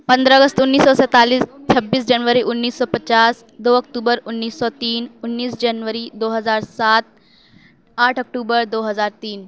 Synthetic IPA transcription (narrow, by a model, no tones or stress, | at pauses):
pɐ̃nd̪ɾəəɡəst̪ʊnːiːsːɔsɛ̃ːt̪aːliːst͡ʃʰɐbːiːs̬d͡ʑɐnʋəɾiʔʊnːiːsːɔːpɐt͡ɕaːs | d̪oːɐkʈuːbəɾʊnːiːsːɔt̪iːnʊnːiːsd͡ʑɐnʋəɾid̪oːɦɐzaːɾsaːt̪̚ | aːʈʰɐk̚ʈuːbəɾd̪oːɦɐzaːɾt̪iːn